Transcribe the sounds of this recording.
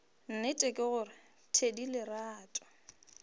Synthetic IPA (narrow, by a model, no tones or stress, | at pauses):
n̩nɪtʼɛkʼɪɣʊrɪ | tʰedilɪraːtʼɔ̥